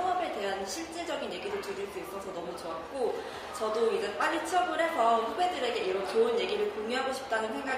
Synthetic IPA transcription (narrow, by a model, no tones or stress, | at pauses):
ʌŋʌbe̞te̞ɦanɕʰiɭt͡ɕ͈e̞d͡ʑʌɡinje̞ɡidot͡ɕuɾiɭs͈uis͈ʌsʰʌnʌmut͡ɕoat̚k͈o | t͡ɕʌdoiɡep͈aʎit͡ɕʰʌɡɯɾɦe̞sʰʌɸube̞dɯɾe̞ɡe̞iɾʌnt͡ɕounje̞ɡiɾɯɭkoŋiɦaɡoɕʰi̥p̚t͈anɯnsʰe̞ŋɡa